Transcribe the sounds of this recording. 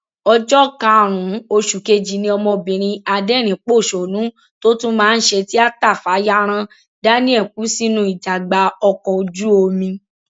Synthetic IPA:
ɔ˧d͡ʒɔ˦kã˧˨ɾ̃ũ˨o˧ʃu˨ke˧d͡ʒi˨nĩ˧ɔ˧mɔ̃˧bĩ˨ɾ̃ĩ˧a˧dɛ˦˨ɾ̃ĩ˨k͡po˦˨ʃo˨nũ˨˦ | to˦tũ˦mãː˦˧n̩˦ʃe˧ti˦a˦ta˦˨fa˨˦ja˦ɾ̃ã˧ | da˦nĩ˦ɛ˦˨k̚u˨˦si˦nũ˧˦i˨d͡ʒa˨ɡ͡ba˧ɔ˧kɔ˧d͡ʒu˦o˧mĩ˧

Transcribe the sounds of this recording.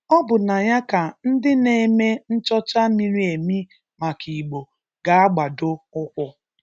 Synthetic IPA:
ɔ˦bʊ˨na˨ja˦ka˨n̩˦dɪ˦ne˨me˦n̩˦t͡ʃɔ˦t͡ʃa˦mi˦ɾi˦e˨mi˦ | ma˨kʰi˨ɡ͡bo˨ | ɡa˨a˦ɡ͡ba˨dʊ˦ʊ˦kʷʊ˦

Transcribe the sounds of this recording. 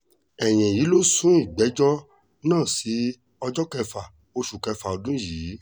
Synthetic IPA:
ɛ˨j̃ɛ̃˨ji˨˦lo˦sũ˨˦i˦˨ɡ͡bɛ˨˦d͡ʒɔ˦ | nãː˦˨si˨˦ | ɔ˧d͡ʒɔ˦kɛ˧fa˨ | o˧ʃu˨kɛ˧fa˨o˨dũ˦jiː˨˦

